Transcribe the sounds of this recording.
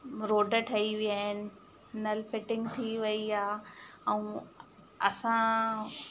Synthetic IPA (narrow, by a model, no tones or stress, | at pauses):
ɾoːɖəʈʰɐiʋiaːɦɪnɪ̆ | nɐlfɪʈɪ̃ŋɡt̪ʰiʋɐiaːɛũ | ɐsã